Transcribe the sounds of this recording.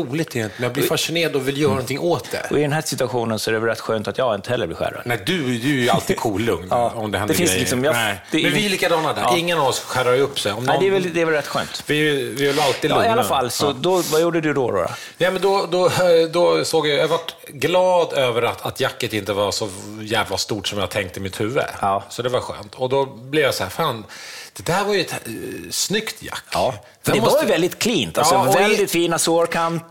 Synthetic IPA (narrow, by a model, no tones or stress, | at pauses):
uːlɪɡt̪ʰɛɪnt̪mɛnjaːblɪɾfaʂɪneːɾad̪ɔvɪljœːɾanɔnt̪ʰɪŋːʔoːt̪d̪ɛ̰ɔɪd̪ɛnɦæːʂɪt̪ɵaɧuːnənsɔæɖɛvɛlɾɛt̪ːɧøːnt̪at̪jɑːɡɪnt̪ə̥hɛlːəɾb̪lɪ̰ːɧæ̰ɾa̰næɪd̪ɵd̪ɵæjalt̪iɡ̚kʰuːlːɵŋnɑːɔmd̪ɛhɛnd̪ɛdfɪnslɪksɔmjɑd̪ɛmɛnvɪliːkad̪ɑːnad̪æ̰ːɪŋːənavɔsɧæɾaɾɵpːsɛjɔmd̪næɪd̪ɛːɾvɛld̪ɛːɾvɛlɾɛt̪ːɧø̰ːnt̪vɪvɪvɛlalt̪id̪ɵɪalːafalːsɔd̪ɔvajuːɖəd̪ɵd̪ɔɾo̰ːɾa̰ | nɛmɛnd̪ɔd̪ɔd̪ɔsoːɡjajahavaʈ | ɡlɑːd̪øːvəɾat̪ʰat̪jakːət̪ɪnt̪əvaɾsɔjæːvlast̪uːʈsɔmjat̪ʰɛŋk̚t̪əɪmɪt̪hʉ̟ːvːə̰sɔd̪ɛvaɾɧø̰ːnt̪ʰɔd̪ɔblɪvjasɔhæːɾfaːnd̪̥ɛd̪æːɾvaɾjʏɛt̪snʏkt̪ʰja̰kː | dfdɛmɔvɛld̪ɪt̪kʰliːnt̪aɔvɛld̪ɪt̪fiːnasoɾkʰamp